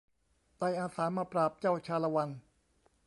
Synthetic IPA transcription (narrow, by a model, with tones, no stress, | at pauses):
t̪a˧jʔaː˧saː˩˦maː˧pɾaː˨˩p̚t͡ɕaː˥˩wt͡ɕʰaː˧la˧wa˧n